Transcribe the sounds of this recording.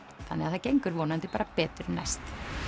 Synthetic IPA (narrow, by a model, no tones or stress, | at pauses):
θanːɛaðθacejŋkʏɾvoːnant̪ɪpaːɾapɛːt̪ʏɾna̰jst̪